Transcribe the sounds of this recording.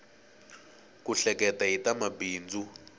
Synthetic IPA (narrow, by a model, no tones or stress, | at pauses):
kuɬɛkɛtaitamabiːnd͡zʱu